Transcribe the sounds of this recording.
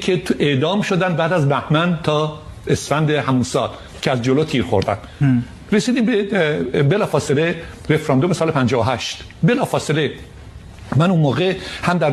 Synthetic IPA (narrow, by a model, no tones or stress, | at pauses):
kʰet̪ʰeʔd̪ɒːmʃod̪ænd̪bæːd̪æzbæhmænt̪ʰɒː | esfænd̪ehæmunsɒ̰ːl | cʰeæzd͡ʒolot̪ʰiːɾxo̞̰ɾd̪æ̰n | ɾesiːd̪iːmbebelɒːfɒːsele | ɾefɾɑnd̪omesɒːlepʰænd͡ʒɒːhoɦæʃt̪ | belɒːfɒːsele | mænunmoːɣehæmd̪æɾ